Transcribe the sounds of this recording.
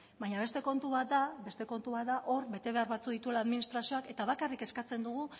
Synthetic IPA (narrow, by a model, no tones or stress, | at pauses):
baɲaβe̞st̪e̞ko̞nt̪uβat̪d̪abe̞st̪e̞ko̞nt̪uβat̪̚d̪aʔo̞ɾbe̞t̪e̞βe̞aɾβat͡suðit̪uelaːðminist̪ɾasio̞ake̞t̪aβ̞akarike̞skat͡se̞nd̪uɣu